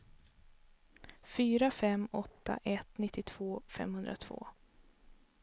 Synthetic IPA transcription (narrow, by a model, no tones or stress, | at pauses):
fyːɾafɛmːɔt̪ʰːa̰ʔɛt̪nɪt̪ːɪt̪ʰv̥oːfɛ̰mhɵnd̪ɾat̪ʰv̥o̰ː